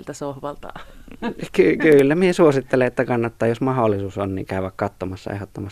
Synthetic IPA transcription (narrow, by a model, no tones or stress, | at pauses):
lt̪æsohʋɑlt̪ɑ̰ | kykyˑlːæmiesuosit̪ːeleʔet̪ːækɑnːɑt̪ːɑːjjosmɑholːˑisuːsonnḭːŋkæˑøʋækkɑt̪ːomɑsːɑ̰ḛhot̪ːomɑs